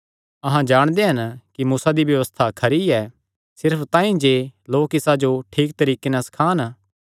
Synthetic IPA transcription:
ɐɦãd͡ʒaːɽ̃d̪eɦɐnkimuːsad̪ibjɐʋəst̪ʰakʰɐɾiɛː | sɪɾpʰt̪ãːĩd͡ʒeːloːkɪsad͡ʒoʈʰiːk̚t̪ɐɾiːkenɛ̃sɐ̥kʰaːn

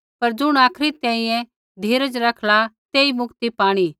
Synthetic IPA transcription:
pɐɾd͡ʒʊɽ̃aːkʰɾit̪ɛ̃ːĩjɛ̃ | d̪ʱiːɾəd͡ʒɾɐkʰlat̪eːimʊkt̪ipaːɽ̃i

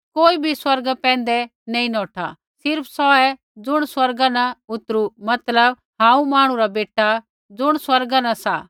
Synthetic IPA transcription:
koːibʱiswɐɾɡpɛ̃ːn̆d̪ɛnɐ̃ːĩnɔːʈʰa̰ | sɪɾpʰsɔɛ | d͡zʊɽ̃swɐɾɡanaʊt̪ɾumɐt̪ləb | ɦãːũmaːɽ̃ũɾabeːʈːa | d͡zʊɽ̃swɐɾɡãnɐsaː

